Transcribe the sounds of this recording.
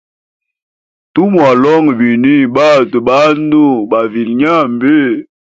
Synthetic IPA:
tu˦mwa˨lɔ˦ŋ˨bi˨ni˦ba˦˨tu˨ba˦n˦du˦ba˨vi˨lɲa˦mbe˦

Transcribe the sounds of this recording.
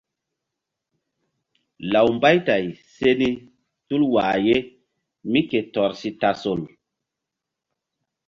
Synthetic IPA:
la˨wmba˦jta˨jse˦ni˦ | tu˦lwa˨je˦ | mi˦ke˨tɔ˨ɾsi˦ta˨so˨l

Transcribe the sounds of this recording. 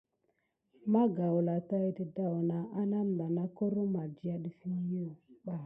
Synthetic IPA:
ma˦ɡa˨ʊ˨la˨ta˦i˦di˨da˦ʊ˨na˨a˦na˦m̩˨ba˨na˦kɔ˦ɾʊ˦ma˨d͡ʒi˨a˦di˨fi˦n˦ji˦˨ɓa˨

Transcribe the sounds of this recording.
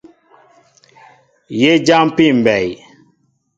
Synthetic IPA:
je˦d͡ʒa˦mpi˦˨m˨bɛ˨j

